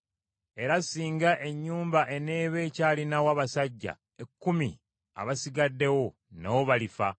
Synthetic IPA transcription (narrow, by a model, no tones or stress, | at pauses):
e̞ɾasiːŋɡaʔe̞ɲːuːmbaʔe̞ne̞ːβe̞caːlinawaːβasaɟːa̰ | ekːumḭ | a̰βasiɡadːe̞wo̞ | nawoβalifa